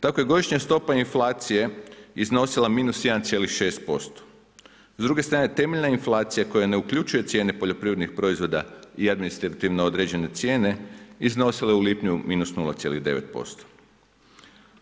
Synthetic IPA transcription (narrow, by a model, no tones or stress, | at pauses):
t̪ako̞je̞ɡo̞d̪iʃɲast̪o̞painflˠaːt̪sije̞izno̞silˠamiːnusje̞d̪ant̪sjelixʃe̞ːst̪̚po̞st̪o̥ | zd̪ɾuɡe̞st̪ɾaːneet̪e̞meʎnainflˠaːt̪sijako̞jane̞ukʎut͡ʃuje̞t̪sje̞ːne̞po̞ʎo̞pɾiʋɾe̞d̪nixpɾo̞izʋo̞d̪aiad̪minist̪ɾat̪iʋneod̪ɾed͡ʑe̞ne̞t̪sje̞ːne̞izno̞sileuliːpɲumiːnusnulat̪sje̞liɣd̪e̞ʋet̪̚po̞̰st̪o̥